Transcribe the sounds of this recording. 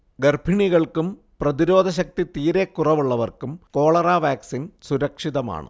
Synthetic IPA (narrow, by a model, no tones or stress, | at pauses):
ɡɐrbʱiɳiɣɐɭkum | prɐðiɾo̞ːd̪ʱɐɕ̬ɐk̚t̪it̪iːɾekːurɐʋuɭːɐʋɐrkumko̞ːɭɐraːʋjaːksinsuɾɐkʂiðɐma̰ːɳɨ̰